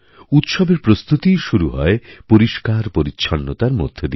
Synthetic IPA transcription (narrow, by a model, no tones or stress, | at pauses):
ut̪ʃɔbeɾpɾost̪ut̪iʃuɾuɦɔepoɾiʃkaɾpoɾitːɕʰɔnːot̪aɾmo̰d̪ʱːed̪i